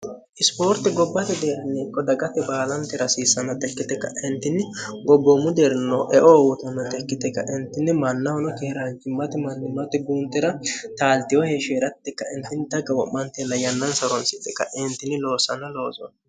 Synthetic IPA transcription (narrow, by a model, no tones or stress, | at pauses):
ʔɪspoːɾt̪ːɪɡɔbːɐt̪ɪd̪eːɾnːiːkːɔd̪ɐɡɐt̪ːɛbaːlɐnt̪ːɪɾɐsiːsːɐnɐt̪ɛkːɪt̪ɛkːɐ̰ɪnt̪ːɪnːɪɡɔbːɔmʊd̪eɾnːoʔɛʔɔːwʊt̪ɐnːɐt̪ɛkːɪt̪ɛkːɐʔɪnt̪ːɪnːɪmɐnːɐwɔnɔkɛhɪɾant͡ʃɪmːɐt̪ɪmɐnːɪmːɐt̪ɪɡuːnt̪ːɛɾɐt̪aːlt̪ɪjɔheʃeːɾɐt̪ːɛkːɐɪnt̪ɪnt̪ːɐɡɐwɔʔːɐnt̪ɛnːɐjɐnːɐnsɐɾɔnsɪt̪ːɛkːɐʔɪnt̪ːɪnɪlo̞ːsɐnɐlo̞ːzɔ̰n